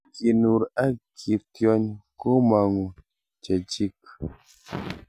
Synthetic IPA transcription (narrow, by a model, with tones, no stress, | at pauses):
ki˨nu˨ɾa˦kʰi˨tjɔ˦ɲko˦ma˨ŋo˨ | t͡ʃɛ˨d͡ʒi˦k̚